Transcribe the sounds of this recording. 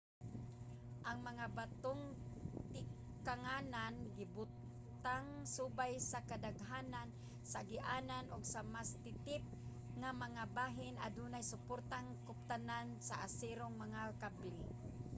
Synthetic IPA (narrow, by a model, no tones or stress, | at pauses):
ʔaŋmaŋabat̪oŋt̪ɪ | kaŋananɡɪbʊt̪ | aŋsuːbajsakad̪aɡɦaːnan | saɡɪʔananʔʊɡsamast̪ɪt̪ɪp̚ | ŋamaŋabaːɦɪnʔad̪unajsʊpʊɾt̪aŋkʊp̚t̪anansaʔasiɾʊŋmaŋalkabli